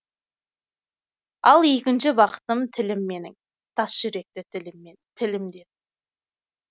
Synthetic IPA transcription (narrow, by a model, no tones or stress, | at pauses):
ɑlˠe̞kʲɪnʃɪbɑqə̥t̪əmt̪ʰɪlɪmːe̞nɪ̰ŋ | t̪ʰɑsʒ̥ʏɾe̞k̚t̪ɪɪlɪmːe | t̪ʰɪlɪmd̪e̞d̪ɪ